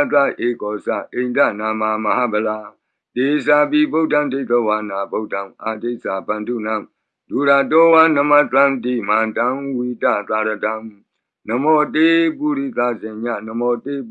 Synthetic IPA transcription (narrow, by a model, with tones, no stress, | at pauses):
t̪a˦˨ʔe˨kɔ˨sa̰˦˨ʔẽ˨nda̰˦˨na˨mã˨mə˨ha˦˨bə˨la˨ | te˨sa˨bi˦bo˦˨ʔdã˦˨de˦˨t̪ə˦˨wa˨na˨bo˦˨ʔdã˦˨ʔa˨de˦˨sa˨bã˨ndu˦˨nã˦˨ | du˨ɾa˨t̬ɔ˦wa˦nə˨ma˦˨t̪ã˦t̪i˦˨mã˨dã˦wi˨ta̰˦˨t̪a˨ɾə˨dã˦ | nə˨mɔ˨te˦pu˦˨ɾi˦˨t̪a˦˨zɪ̃˨ɲã̰˦˨nə˨mɔ˨te˦